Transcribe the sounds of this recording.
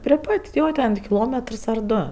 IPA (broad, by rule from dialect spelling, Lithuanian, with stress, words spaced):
pʲrʲɪ ˈpɐtʲ ˈjoː tʲɛn tʲɪk kʲɪˈlˠoːmʲɛtrs ɐr ˈdoː